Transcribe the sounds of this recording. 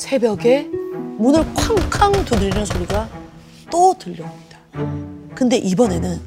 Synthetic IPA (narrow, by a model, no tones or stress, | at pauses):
sʰe̞bjʌɡe̞munɯɭkʰwaŋkʰaŋtudɯɾinɯnsʰoɾiɡa | t͈otɯʎːʌomɲid̥ḁ | kɯnde̞ʔibʌne̞nɯn